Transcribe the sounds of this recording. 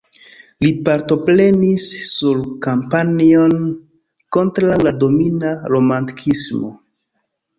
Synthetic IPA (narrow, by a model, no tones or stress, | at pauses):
lipaɾto̞pɾe̞nisːuɾkampanio̞n | ko̞ntɾawlado̞minaɾo̞manti̥kʰismo̞̰